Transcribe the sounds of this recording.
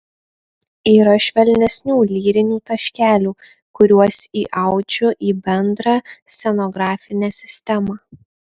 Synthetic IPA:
iːɾɐʃʲʋʲɛlʲnʲɛsʲnʲuːlʲiːɾʲɪnʲuːt̪ɐʃʲkʲæːlʲuː | kʊɾʲuɔsiːʔɑˑʊd͡ʒʲʊʔiːbʲɛnd̪ɾɑːsʲɛnɔɡɾɑːfʲɪnʲæːsʲɪ̥sʲt̪ʲɛmɑː

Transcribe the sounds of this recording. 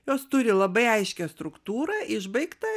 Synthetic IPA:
joːst̪ʊɾʲɪlˠɐbɐɪɐɪʃʲkʲɛst̪ɾʊkt̪uːɾɐʔɪʒbɐɪkt̪ɐ

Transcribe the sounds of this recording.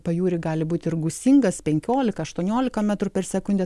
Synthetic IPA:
pɐjuːɾʲɪɡɑːlʲɪbuːt̪ʲɪɾɡʊsʲiŋɡɐspʲɛŋʲkʲoːlʲɪkɐɐʃt̪uɔnʲoːlʲɪkɐmʲæt̪ɾʊpʲɛrsʲɛkʊnʲd̪ʲɛ

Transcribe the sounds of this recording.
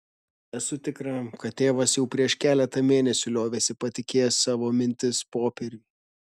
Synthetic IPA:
ɛsʊt̪ʲɪkɾɐkɐt̪̚t̪ːʲeːʋɐsjɛʊpʲɾʲiɛʃkʲæːlʲɛt̪ɐmʲeːnʲɛsʲʊlʲoːʋʲeːsʲɪpɐt̪ʲɪkʲeːjssɑːʋoːmʲɪnʲt̪ʲɪspoːpʲɛɾʲʊ

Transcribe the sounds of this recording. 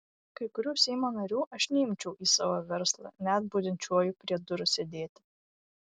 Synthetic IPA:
kɐɪkʊɾʲuːsʲɛɪmoːnɐɾʲuːʔɐʃnʲɛɪmʲt͡ʃʲɛʊʔiːsɑːʋoːʋʲɛɾslˠɑ̰nʲæt̪̚buːd̪ʲɪnʲt͡ʃʲuɔjʊpʲɾʲiɛd̪ʊɾʊsʲɛd̪ʲeːt̪ʲɪ

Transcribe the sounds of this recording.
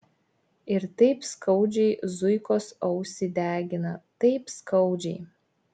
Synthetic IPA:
ɪɾt̪ɐɪpskɐʊd͡ʒʲɛɪzʊɪkoːsɐʊsʲɪd̪ʲæːɡʲɪnɐt̪ɐɪpskɐʊd͡ʒʲɛɪ

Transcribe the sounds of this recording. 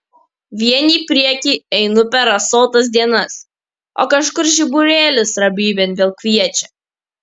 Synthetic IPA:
ʋʲiɛnʲiːpʲɾʲiɛkʲiːɛɪnʊpʲɛɾɐsɔlˠt̪ɐs̬d̪ʲiɛnɐs | o̰ːkɐʃkʊɾʒʲɪbʊɾʲeːlʲʊsɾɐbʲiːbʲɛnʋʲelˠkʋʲiɛt͡ʃʲɛ

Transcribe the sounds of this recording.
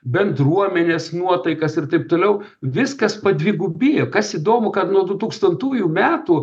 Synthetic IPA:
bʲɛnd̪ɾuɔmʲɛnʲeːsnuɔt̪ɐɪkɐsɪrt̪ɐɪp̚t̪oːlʲɛʊ | ʋʲɪskɐspɐd̪ʲʋʲɪːɡubʲiːjokɐsiːd̪oːmʊkɐt̪nuɔd̪ʊt̪uːkst̪ɐnt̪uːjʊmʲæːt̪u

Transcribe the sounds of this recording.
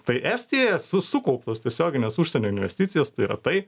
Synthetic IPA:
t̪ɐɪʔæsʲt̪ʲijojɛsʊsʊkɐʊpt̪oːst̪ʲiɛsʲoːɡʲɪnʲeːsuʃʲsʲɛnʲoːɪnʲʋʲɛ̰sʲt̪ʲitt͡s̪ʲɪjoːst̪ɐɪiːɾɐ̰t̪ɐɪ

